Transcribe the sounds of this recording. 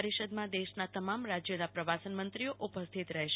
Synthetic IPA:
ɾiʃəd̪mãd̪eʃnat̪əmamɾad͡ʒjənapɾəʋasənmənt̪ɾioʔupəst̪ʰit̪ɾəɦʃ

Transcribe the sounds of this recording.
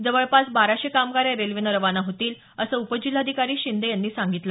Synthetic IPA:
d͡zəʋəɭpat͡sbaɾaɕekamɡaɾjaɾelʋinəɾəʋanaɦot̪iːl | əsəupəd͡ʑil̤ːad̪ʱikaɾiːɕind̪ejanːiːsaŋɡit̪lə

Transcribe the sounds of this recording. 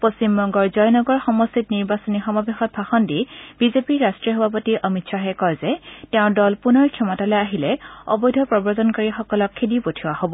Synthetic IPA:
post͡ɕimbɔŋɡɔɹzɔjnɔɡɔɹxɔmɔstitniɹbasɔnixɔmabexɔt̚bʱaxɔndib̥izepiɹɹastɹiɔxɔbʱap̬ɔtiʔɔmitsaɦɛkɔjzɛtɛʊ̃dɔlpunɔɹkʰjɛmɔtalɔjaɦilɛɔ̰bɔjdʱɔpɹɔbɔɹzɔnkɔɹixɔkɔlɔkʰːedipotʰiwahobɔ

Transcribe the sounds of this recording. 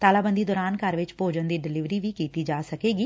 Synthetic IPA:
t̪aːlaːbənd̪iːd̪ɔːɾaːnkəɾʋɪt͡ʃpoːd͡ʒənd̪iːɖɪlɪʋɾiːʋiːkiːt̪iːd͡ʒaːsəkeːɡiː

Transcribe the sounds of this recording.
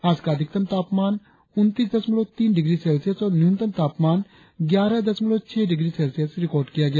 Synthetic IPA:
aːd͡ʒkaːd̪ɪk̚t̪əmt̪aːpmaːn | ʊnt̪iːsd̪ɐsmɪloːt̪iːnɖɪɡɾiːsɛːlsijəsɔːɾnjunt̪əmt̪aːpmaːn | ɡjaːɾad̪ɐsmɪloːt͡ʃʰɛːɖɪɡɾiːseːlsijəsɾɪkɔːɾɖkɪjaːɡɪja

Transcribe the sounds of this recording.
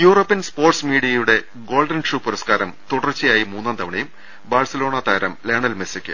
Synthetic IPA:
juːro̞ːpːijɐnspoːrʈsmiːɽijɐjuɽe̞ | ɡo̞ːlɖɐnʂuːpuɾɐskaːɾɐmt̪uɽɐrt͡ɕːɐjaːjimuːnːaːnd̪ɐʋɐɳɐjum | baːrsɐlo̞ːɳɐt̪aːɾɐ̰mleːɳɐlmesikʲːɨ̰

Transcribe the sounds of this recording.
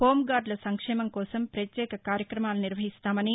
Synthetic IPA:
hoːmɡaːɾɖlɐsɐŋkʂɛːmɐŋkɔːsɐmpɾɐt̪jɛːkɐkaːɾjɐkɾɐmaːluniɾʋɐɦist̪aːmɐni

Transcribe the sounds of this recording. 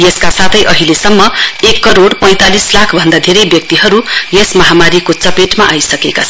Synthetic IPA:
jeskasat̪ʰʌjʔʌɦilesʌmːʌekːʌɾoɽpʌ̃j̃t̪alislakʰbʱʌnd̪ad̪ʱeɾʌjbjʌk̚t̪iɦʌɾujesmʌɦamaɾikot͡sʌpeʈmaʔajsʌkekat͡sʰʌ

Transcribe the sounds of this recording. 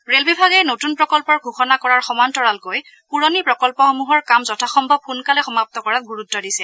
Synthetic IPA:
ɹelbibʱaɡɛnotunpɹɔkɔlpɔɹɡʱuxɔnakɔɹaɹxɔmantɔɹalkoj | puɹonipɹɔkɔlpɔxomuɦɔɹkamzɔtʰaxɔmbʱɔb̚ʰunkalɛxɔmap̚tɔkɔɹat̚ɡuɹutːɔdisɛ

